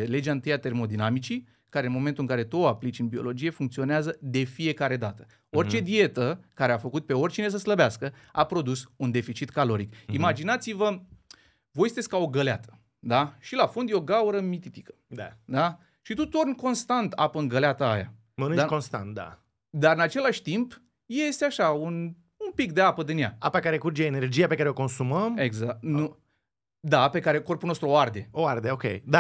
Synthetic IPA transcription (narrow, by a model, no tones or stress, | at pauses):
le̞d͡ʒaɨnt̪ɨjat̪e̞rmo̞d̪inamit͡ʃi | kaɾe̞ɨnmoment̪ulɨŋkaɾe̞t̪uoaplit͡ʃɨnbio̞̰lo̞d͡ʒije̞fuŋkt̪sio̞neazəd̪e̞fije̞kaɾe̞d̪at̪ə̥ | o̞rt͡ʃe̞d̪ie̞t̪əkaɾeafəkut̪̚pe̞o̞rʲt͡ʃine̞s̬əsləbeaskəapɾo̞d̪usund̪e̞fit͡ʃit̪kalo̞ɾikimad͡ʒinat̪sivə | vo̞jst̪esʲkao̞ɡəleat̪ə̥ | d̪aʃilafond̪jo̞ɡauɾəmit̪it̪ikə̥ | d̪ad̪a | ʃit̪ut̪o̞rnko̞nst̪ant̪a̰pəɨŋɡəleat̪əa̰ja̰ | mənɨnt͡ʃako̞nst̪a̰nt̪̚d̪a̰ | d̪aɾɨnat͡ʃe̞laʃʲt̪imp | je̞st̪eaʃaun | umpikd̪eapəd̪ɨnja̰a̰pakaɾekuɾd͡ʒeːne̞rd͡ʒijapekaɾeo̞ko̞nsuməmeɡzak̚t̪nnu | d̪ape̞kaɾe̞ko̞rpulnost̪ɾuoard̪e̞oard̪eokʲḛjd̪a